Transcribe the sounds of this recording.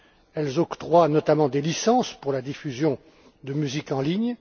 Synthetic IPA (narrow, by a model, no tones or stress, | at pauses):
ɛlzɔ̃kt̪ʁwanɔt̪amɑ̃d̪elisɑ̃spuʁlad̪ifyzjɔ̃ | d̪əmyzikɑ̃liɲ